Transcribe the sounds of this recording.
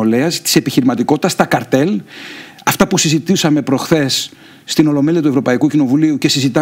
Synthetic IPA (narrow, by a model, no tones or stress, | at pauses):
oleɐst̪i̥se̞piçiɾimɐt̪iko̞t̪i̥t̪ɐst̪ɐkɐɾt̪e̞l | ɐft̪ɐpusizit̪isɐme̞pɾo̞xθe̞sː | t̪ino̞lo̞me̞liɐt̪uevɾo̞pɐikucino̞vuliuce̞sizit̪ɐ